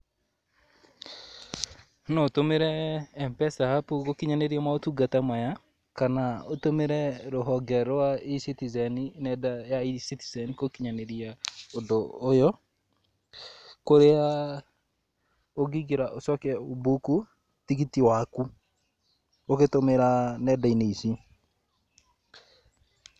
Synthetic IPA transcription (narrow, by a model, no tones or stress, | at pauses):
nɔotomeɾɛːmpɛsaapukokiɲaneɾiamaotuɡatamaja | kanaotomeɾɛɾoɦɔɡɛɾwaisitizɛninɛdajaisitizɛnikokiɲaneɾiaodoːjɔ | koɾea | oɡiɡeɾaʔosɔkɛobuku | tikitiwaku | oketomeɾanɛdaineisi